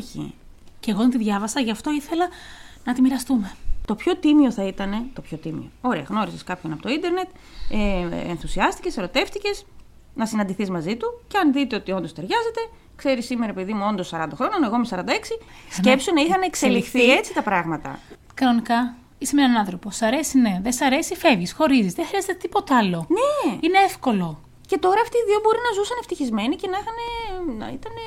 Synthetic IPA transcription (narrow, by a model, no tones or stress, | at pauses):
çḭ | ceɣot̪t̪iðʝɐvɐsɐʝɐft̪o̞iθe̞lɐnɐt̪imiɾɐst̪ume̞t̪o̞pço̞t̪imio̞θɐit̪ɐne̞t̪o̞pço̞t̪imḭo̞̰o̞ɾe̞ɐɣno̞ɾiseskɐpço̞nɐpot̪oind̪e̞ɾne̞t̪ | eenθusiɐst̪i̥ce̞seɾo̞t̪e̞ft̪ice̞z | nɐsinɐnd̪iθizmɐzit̪uceɐnðit̪e̞o̞t̪io̞nd̪ost̪e̞ɾʝɐze̞t̪e̞ | kse̞ɾisːimeɾɐepiðimuo̞nd̪osːɐɾɐnd̪ɐxɾo̞ɲɐnoeɣo̞mesɐɾɐnd̪ɐeksiscepsonɐixɐneːkselixθiet͡sit̪ɐpɾɐɣmɐt̪ɐ̰ | kɐno̞nikɐ | isemenɐnɐnθɾo̞posɐɾe̞sine̞ðesɐɾe̞sife̞vʝisxo̞ɾizizðexɾiɐzet̪et̪ipo̞t̪eɐlo̞neineefko̞lo̞ | ce̞t̪o̞ɾɐːft̪iːðiobo̞ɾinɐzusɐneft̪içizme̞nicenɐixɐnenɐ̰it̪ɐne̞